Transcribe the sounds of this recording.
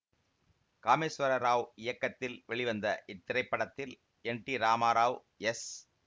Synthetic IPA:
kaːmesʋɐɾɐɾaːʋɪjɐkːɐt̪ːɪlʋɛɭɪʋɐnd̪ɐʔɪt̪ːɪɾɐɪpːɐɽɐt̪ːɪl | ɛɳʈiɾaːmaːɾaːʋ | ɛs

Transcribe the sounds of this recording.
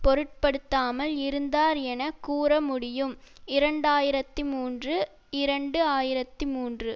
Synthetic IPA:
pɔɾɯʈ̚pɐɽɯt̪ːaːmɐlɪɾɯnd̪aːɾɛnɐkuːɾɐmʊɽɪjɯmɪɾɐɳɖaːjɪɾɐt̪ːɯmuːndrɯ | ɪɾɐɳɖɯaːjɪɾɐt̪ːɯmuːndrɯ

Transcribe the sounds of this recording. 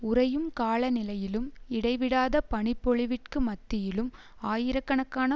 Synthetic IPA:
ʊɾɐjɯmkaːɭɐnɪlɐjɪlɯmɪɽɐɪʋɪɽaːðɐpɐɳɪpːɔɭɪʋɪʈ̚kɯmɐt̪ːɪjɪlɯm | aːjɪɾɐkːɐɳɐkːaːnɐ

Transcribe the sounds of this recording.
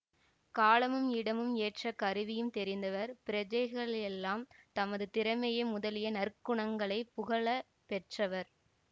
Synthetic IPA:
kaːlɐmɯmɪɽɐmɯmeːʈrɐkɐɾɯʋɪjɯmt̪ɛɾɪnd̪ɐʋɐɾpɪɾɐd͡ʒɐɪɣɐɭɛlːaːmt̪ɐmɐðɯt̪ɪɾɐmɐjɐmʊðɐlɪjɐnɐɾkɯɳɐŋɡɐɭɐɪpʊɣɐɭɐ | pɛʈrɐʋɐɾ

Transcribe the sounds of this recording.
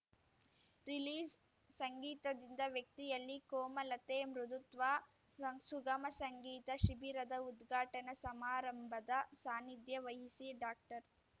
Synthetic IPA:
ɾiliːd͡ʒ | sɐŋɡiːt̪ɐd̪ind̪ɐʋjɐk̚t̪ijɐlːikoːmɐlɐt̪eːmɾud̪ut̪ʋaː | suɡɐmɐsɐŋɡiːt̪ɐʃibiɾɐd̪ɐud̪ɡʱaːʈɐnɐsɐmaːɾɐmbʱɐd̪ɐsaːnid̪jɐʋɐjɦisiɖaːk̚ʈɐɾ

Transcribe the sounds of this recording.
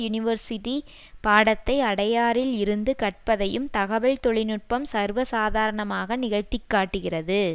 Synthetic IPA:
jʊnɪʋɐɾsɪʈi | paːɽɐt̪ːɐɪɐɽɐjaːɾɪlɪɾɯnd̪ɯkɐʈ̚pɐðɐjɯmt̪ɐɣɐʋɐɭt̪ɔɭɪnɯʈ̚pɐmsɐɾʋɐsaːðaːɾɐɳɐmaːɣɐnɪɣɐɻt̪ːɪkːaːʈːɯɣɪrɐðɯ

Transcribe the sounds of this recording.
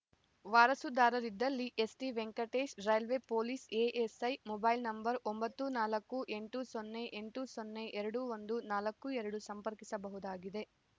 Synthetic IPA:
ʋaːɾɐsud̪aːɾɐɾid̪ːɐlːiʔesʈiʋeŋkɐʈeːʃɾɐjɐlʋeːpoːliːseːʔesɐjmɔbɐjlnɐmbɐɾombɐt̪ːunaːlɐkːuʔe̞ɳʈusonːeʔeɳʈusonːeʔɛɾɐɽuʋond̪unaːlɐkːuɛɾɐɽusɐmpɐɾkisɐbɐɦud̪aːɡid̪e̞

